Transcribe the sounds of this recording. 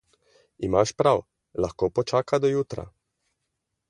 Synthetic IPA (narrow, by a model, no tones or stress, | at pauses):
imaʃpɾaw | laxkoːpɔt͡ʃaːkad̪ɔjuːt̪ɾa̰